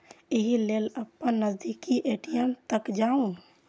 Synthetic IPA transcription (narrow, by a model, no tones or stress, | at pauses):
eɦileːləpːənnəzd̪ikiʔeːʈijəmt̪əkd͡ʒaːũ